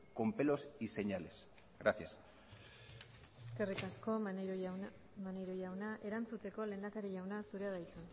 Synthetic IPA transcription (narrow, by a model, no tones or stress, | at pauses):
ko̞mpelo̞sise̞ɲale̞s | ɣɾaθjas | sk̪erikasko̞ | maneɾojawnaʔe̞ɾant͡sut̪e̞ko̞le̞nd̪akaɾiʝawnasuɾeaðajt͡s̪an